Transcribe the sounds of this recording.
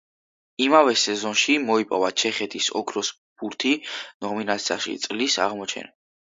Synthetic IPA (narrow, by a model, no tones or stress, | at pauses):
imavɛsɛzɔnʃimɔipʼɔvat͡ʃʰɛχɛt̪ʰisɔ̰kʰɾɔs | b̥uɾt̪ʰinɔminat̪sʰiaʃḭt̪sʼlisa̰ʁmɔt͡ʃʰɛ̰na